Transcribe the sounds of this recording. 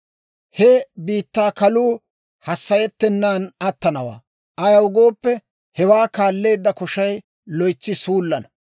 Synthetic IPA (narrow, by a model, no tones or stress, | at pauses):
hɛbiːt̪ːaːkɐluː | hɐsːɐjɛt̪ːɛnːaːnɐt̪ːɐnɐwa̰ː | ʔɐjɐʊɡo̞ːpːɛ | hɛwaːkaːlːe̞ːd̪ːɐkɔʃɐj | lɔjt͡sːɪsuːlːɐnɐ